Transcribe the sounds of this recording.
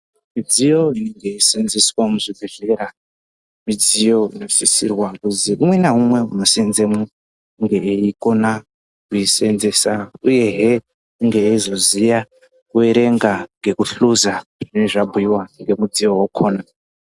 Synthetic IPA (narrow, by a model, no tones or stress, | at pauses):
mid͡zijo̞ineŋɡeisinziswamuʐibʱeɮe̞ɾa | mid͡zijo̞ḭno̞sisḭrwakuziumwenaɦumwe̞ṵno̞sinzemu | ŋɡe̞ːiko̞na | kuisenze̞sauje̞ɦe | uŋɡeːizo̞zija | weɾe̞ŋɡaŋɡe̞kuɬuzaʐineʐabʱuiwaŋɡe̞mud͡zijo̞wokʰoːna